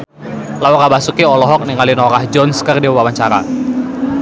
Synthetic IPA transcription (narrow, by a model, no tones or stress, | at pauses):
laɔkabasukiɔlɔɦɔk̚niŋalinɔɾahd͡ʒɔnskərdibabawaɲt͡ʃaɾa̰